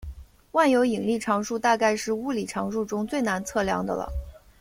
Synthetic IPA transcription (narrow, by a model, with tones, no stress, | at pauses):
wa˥˩njo˧˥ʊi˨˩ŋli˥˩ʈ͡ʂʰɑ˧˥ŋʂu˥˧t̪a˥˧ka˥˧ɪʂɻ̩˥˧u˥li˨˩ʈ͡ʂʰɑ˧˥ŋʂu˥˩ʈ͡ʂʊ˥ŋt͡swe˥˩ɪna˧˥nt͡sʰɤ˥˩ljɑ̰˧˥ŋd̪ə̰˧lə̰˩